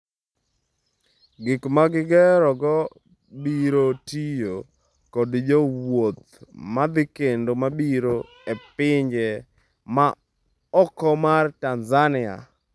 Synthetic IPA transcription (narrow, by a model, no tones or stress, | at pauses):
ɡɪkmaɡɪɡɛɾɔɡɔ | biɾotijo | kodd͡ʒowwot̪ | mad̪ɪkendomabiɾo | epɪɲd͡ʒɛ | ma | ɔkɔmartanzanɪa̰